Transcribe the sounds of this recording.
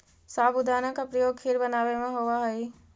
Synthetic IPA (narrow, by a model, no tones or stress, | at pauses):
saːbʊd̪aːnakapɾəjoːɡ̚kʰeɾbənaːʋemẽɦoʋaɦəi